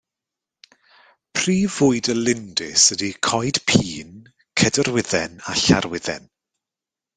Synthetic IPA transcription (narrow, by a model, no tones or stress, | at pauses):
pʰriːvʊɨdəlɪndɪsədikʰɔjd̥pʰiːn | kʰədərwɪðɛnaɬa̰rwɪðɛ̰n